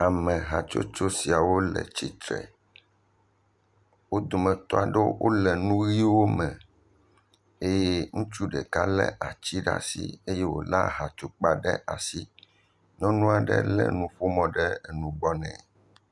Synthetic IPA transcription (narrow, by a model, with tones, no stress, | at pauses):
a˨mɛ̃˨ɦa˨t͡ʃo̰˦t͡ʃo˦si˨a˨wo˦lɛ̰˨t͡ɕi˨t̪ɾɛ̰˨ | wo˦d̪o˨mɛ̃˨t̪ɔ˦a˨ɖɛ˦wʔo˦lɛ˨nũ˦ɣi˦wo˦mɛ̃˨ | e˦je˦ŋũ˦t͡ʃu˦ɖɛ˨ka˦lɛ̰˦ʔa˨t͡ɕi˦ɖa̰˦sḭ˦e˦je˦wo̰˨la˦ɦa˨t͡ʃo˨k͡pa˦ɖɛ˦ʔa˨si˦ | nɔ̃˦nũ˦a˨ɖɛ̰˦lɛ̰˦nũ˦ɸo˦mɔ̃˦ɖɛ˦˨nũ˨ɡ͡bɔ˦nɛ̰̃˨